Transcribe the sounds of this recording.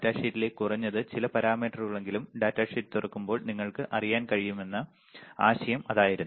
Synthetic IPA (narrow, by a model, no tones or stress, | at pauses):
tːaːʂitːile̞ːkːurɐɲːɐðɨt͡ɕilɐpɐɾaːmiːʈːɐrɨɣɐɭe̞ŋɡilumɖaːtːaːʂitːt̪urɐkːumbo̞ːɭniŋːɐɭkɨʔɐrijaːnkɐɻijume̞nːɐ | a̰ːɕɐjɐmɐðaːjiɾunː